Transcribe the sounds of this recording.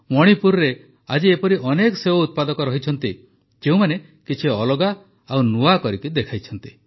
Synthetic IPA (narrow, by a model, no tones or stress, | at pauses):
mɔɽ̃ipuɾɔɾe | ad͡ʒiepɔɾiʔɔnekɔseout̪̚pad̪ɔkɔɾɔɦit͡ʃʰɔnt̪i | d͡ʒeũmane | kit͡ʃʰiɔlɔɡa | awnuakɔɾik̪id̪ekʰajt͡ʃʰɔnt̪i̥